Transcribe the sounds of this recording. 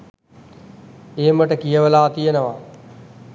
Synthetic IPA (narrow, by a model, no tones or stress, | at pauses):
eməʈəkijəʋəlaːt̪ijənəʋaː